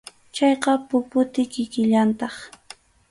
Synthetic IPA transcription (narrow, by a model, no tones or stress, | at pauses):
t͡ʃɑjqɑpʊpʊt̪ɪkɪkɪʎant̪ɑχ